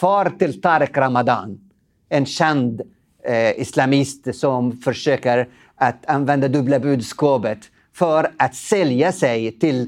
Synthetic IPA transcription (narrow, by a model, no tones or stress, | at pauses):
fɑːɾt̪ɪlt̪ʰaːɾɪkɾamad̪ɑ̰ːn | ɛnɕɛnd̪ | ɪslamɪst̪sɔmfœʂøːkəɾ | ʔat̪anvɛnd̪ad̪ɵblabʉːd̪skɑːpət̪ | fœɾat̪sɛljasɛjt̪ɪl